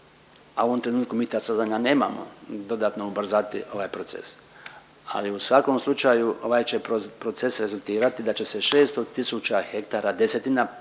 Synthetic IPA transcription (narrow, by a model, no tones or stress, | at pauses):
aoʋo̞mt̪ɾe̞nuːt̪kumiːt̪aːsazaɲane̞ːmamo̞̰d̪o̞d̪aːt̪no̞ubr̩zat̪ḭʔo̞ʋajpɾo̞t̪se̞̰s | a̰liusʋako̞mslˠut͡ʃajuo̞ʋajt͡ʃe̞pɾo̞t̪se̞sɾe̞zulˠt̪iːɾat̪id̪at͡ɕe̞se̞ʃe̞ːst̪ot̪isut͡ʃaxe̞kt̪aːɾad̪e̞set̪ina